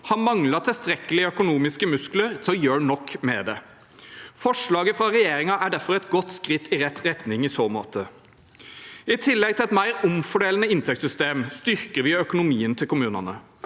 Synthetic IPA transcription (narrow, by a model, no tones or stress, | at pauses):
hɑnmɑŋlɑt̪ʰɪlst̪ɾɛkːəlɪœkʊnuːmɪskəmʉskləɾt̪ʰɔjøːnɔkːmɛd̪ɛ | fɔʂɭɑːɡəfɾɑɾɛjeːɾɪŋɑʔæɖæɾfɔɾɛt̪ɡɔt̪ːskɾɪt̪ʰːɪɾɛt̪ɾɛt̪nɪŋɪsoːmo̰ːt̪ə | ɪt̪ʰɪlːɛɡ̚t̪ʰɪlɛt̪mæɪɾʊmfɔɖeːlənəɪnt̪ʰɛkt̪sʏst̪eːmst̪ʏɾkəɾʋɪœkʊnʊmiːənt̪ʰɪlkʊmʉːnɑnə